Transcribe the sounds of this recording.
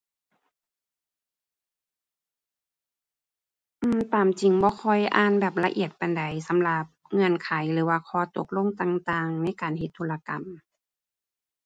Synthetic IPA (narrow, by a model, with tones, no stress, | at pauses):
ʔɯː˧˩mt̪aː˨mt͡ɕi˨˩ŋbɔː˧˦kʰɔ˧˩jʔaː˧˥˨nbɛː˨˩p̚la˧ʔḭ˧˨˩ət̪̚pa˨nda˨˩jsa˨˦mla˧p̚ŋɤ˧˨nkʰaː˨˦jlɯː˩˦waː˧kʰɔː˧˦t̪o˧˦k̚lo˧˥˨ŋt̪aː˧ŋt̪aː˧ŋna˧˥˨jkaː˨nhe˧˦t̪ʰːuː˧˩la˧ka˨m